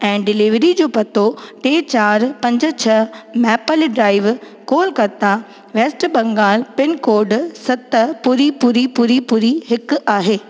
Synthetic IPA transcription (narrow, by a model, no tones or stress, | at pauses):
ɛ̃ːɖɪlɪʋɾid͡ʑoːpɐt̪ʰoʈeːt͡ɕaːɾpɐ̃ɲd͡ʑʊ̆t͡ɕʰɐmɛːpəlɖɾaːɪʋ | koːlkɐt̪a | ʋeːsʈbɐ̃ŋɡaːlpɪnkoːɾɖsɐt̪əpʊɾipʊɾipʊɾipʊɾiɦɪkʔaːɦeː